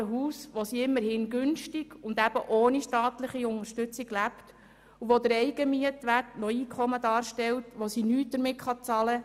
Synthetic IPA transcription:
əɦuːsʋosiɪmːəɾhɪnɡʏnʃtiɡ̥ʊnd̪æb̥əʔoːniʃtɑːt̪ləχiʊŋəɾʃtʏt͡siɡlæpt | uʋod̪əɾɛɪɡ̥əmiətʋætnɔiːkʰχɔmədɑːɾʃtɛltʋosinyːt̚d̥̪əɾmɪtχɑt͡sɑlə

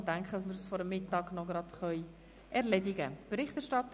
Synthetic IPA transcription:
dæŋkχədɑsmɪɾsfɔɾəmːɪtːɑːɡnɔɡɾɑdχœʏ | ɛɾlɛdɪɡəb̥əɾɪχtɛɾʃtɑt

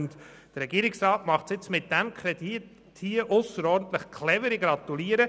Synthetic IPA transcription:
nt | d̥əɾɛɡiːɾɪksrɑːtmɑχtsɪt͡smɪt̚d̥æmkʰχɾɛdi | hiəʔʊsəɾɔːɾdn̩t̪ləχkʰlɛvəɾɪɡɾɑt̪uliəɾə

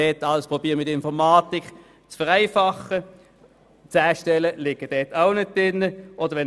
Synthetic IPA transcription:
ɛːtːɑlspʁobiːmɪtɪnfɔʁmɑːt̪ɪk | t͡sfəʁæɪfɑχə | t͡sæːʃtɛləlɪɡ̥əd̥ɛːtaʊnʏd̚dɪnːəʔɔd̥̪əɾʋɛn

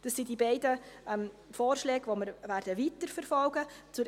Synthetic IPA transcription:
d̥ɑsːidibɛɪdəɛm | foːrʃlɛːɡʋoməɾʋæɾd̥əʋitəɾfəɾfɔlɡət͡sʊɾ

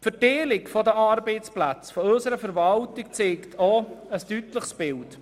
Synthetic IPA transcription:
fəteːlɪkfɔdəʔɑɾbeɪt͡splæt͡sfɔɵsəɾəfəɾvɑltɪkt͡seːktʰoəstytləχsb̥ɪlt

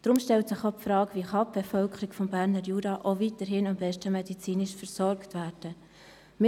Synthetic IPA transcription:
d̥ɾʊmʃtɛltsɪχopfɾɑːkviχɑp̚b̥efœlkʰəɾiɡfɔmbæːɾnəɾjuːɾɑʔoviːtəɾɦɪnɑmbɛʃtəmɛdit͡siːnɪʃfəɾsɔɾktvæːɾd̥ə | m

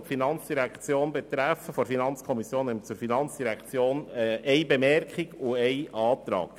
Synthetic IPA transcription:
tfinɑnt͡sd̥iɾækt͡sjoːnbɛt̪ɾæfəfɔɾfinɑnt͡skʰɔmisjoːnɛmt͡suɾfinɑnt͡sd̥iɾækʰt͡sjoːnɛɛɪbɛmɛrkχiɡʊɛɪʔɑːt̪ɾɑ̰ːk

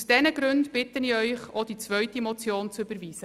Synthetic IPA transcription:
sd̥ɛnəɡ̥ɾʉndb̥ɪtəniœʏχod̥it͡svœɥtimɔt͡sjoːnt͡søb̥əɾviːzə

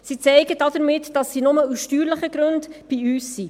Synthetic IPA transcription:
sit͡sɛɪɡədɑdəɾmɪtd̥ɑsːinʊməusʃtyːɾləχəɡ̥ɾʉndb̥iyːsːi

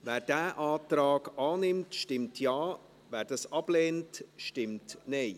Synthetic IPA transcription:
vɛːɾd̥æːʔaːtraːɡɑːnɪmtʃtɪmtʰjɑː | vɛːɾdɑsɑb̥leːntʃtɪmtneɪ

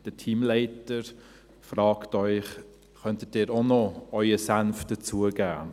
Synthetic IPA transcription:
d̥ətʰiːmlɛɪtəɾ | frɑːktœʏχ | χœntət̚diːɾonɔœʏəsanfd̥ət͡suəɡæː

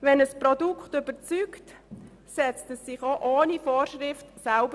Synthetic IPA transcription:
ʋɛnəspɾɔdukʰχtʏb̥ət͡syːkt | sɛt͡stəsːɪχoʔoːnifɔːɾʃʁɪftsalbə

